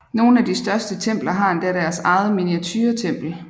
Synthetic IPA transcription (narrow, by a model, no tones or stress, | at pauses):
no̝ːn̩æd̥isd̥ɶɐsd̥ət͡sʰem̰b̥lɐɦɑ̈end̥æɾæɐsɑ̈ɪð̩ˠminiæt͡sʰyːɐt͡sʰem̰b̥l̩